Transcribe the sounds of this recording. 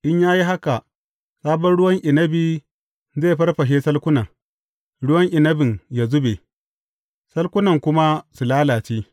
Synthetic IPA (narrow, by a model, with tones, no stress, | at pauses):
ʔɪ˦ɲjaː˦ji˦ɦa˦ka˨ʔ | saː˦bɔ˦nɽʊ˦wɐ˦ŋʔɪ˨nɐ˦bi˨ | zeː˦˨ɸɐ˦rɸɐ˨ʃ̬eː˦sɐ˦lkʷʊ˦naː˨ | ɽʊ˦wɐ˦ŋʔɪ˨nɐ˦bɪ˨ŋja˦zʊ˦be˨ | sɐ˦lkʷʊ˦nɐ˨ŋkʷʊ˦ma˦su˨laː˦laː˨t͡ʃi˦